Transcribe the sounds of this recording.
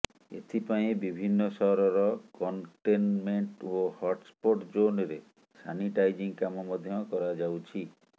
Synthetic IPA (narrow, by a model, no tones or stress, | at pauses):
ḛt̪ʰipaĩbibʱinːɔsɔɦɾɔɾɔkɔɳʈenmeɳʈohɔʈspoʈd͡ʒonɾe | sa̰niʈajd͡ʒiŋkamɔmɔd̪ʱjɔkɔɾad͡ʒawt͡ʃʰi